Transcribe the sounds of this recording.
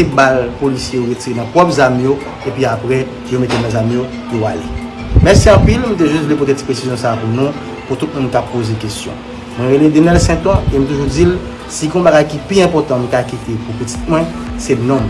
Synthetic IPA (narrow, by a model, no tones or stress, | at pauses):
ibalpolisjeoɣet͡siʁenãpʁɔpzamĩjo | epɥiapʁɛ | jomet̪enãzamĩjo | joa̰lḛ | mɛʁsiɑ̃pilm̩̃t̪̬eʒystvlepot̪et͡si̥pɣesizjɔ̃saːpunũ | put̪ut̪̚mũnkapːozekestjɔ̰̃ | nwɛ̃ɣeled̪enɛlsɛ̃t̪ɔ̃em̩t̪uʒud͡zil | siɡɔ̃baɡajkipiɛ̃pɔt̪ɑ̃m̩̃kakit̪epupət͡si̥t̪̚mwɛ̃ | sɛnɔ̃m